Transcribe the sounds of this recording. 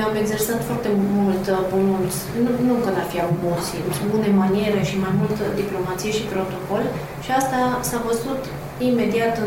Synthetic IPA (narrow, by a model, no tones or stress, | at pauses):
ame̞ɡze̞rsat̪foart̪e̞mult̪pomunt̪sʲnunukənafiamult̪sisʲbune̞manie̞ɾeʃimajmult̪əd̪iplo̞mat̪sijeʃipɾo̞t̪o̞ko̞l | ʃiast̪asavəzut̪ | ime̞d̪iat̪ɨ